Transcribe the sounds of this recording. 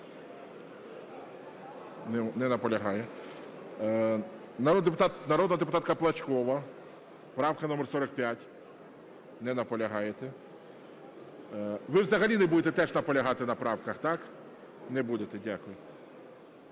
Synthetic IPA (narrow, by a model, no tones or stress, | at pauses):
nɛnɛnɐpɔlʲɐɦɑjɛ | nɐɾod̪epʊt̪ɑt̪nɐɾod̪nɐɦɐd̪epʊt̪ɑt̪kɐplˠɐt͡ʃʲkɔʋɐ | pɾɑwkɐnɔmɛrsɔɾɐk̚pʲjatʲ | nɛnɐpɔlʲɐɦɑjet̪ɛ | ʋɪwzɐɦɐlʲinɛbud̪et̪ɛt̪ɛʒnɐpɔlʲɐɦɑt̪ɪnɐpɾɑwkɐxt̪ɑk | nɛbud̪et̪ɛdʲakʊjʊ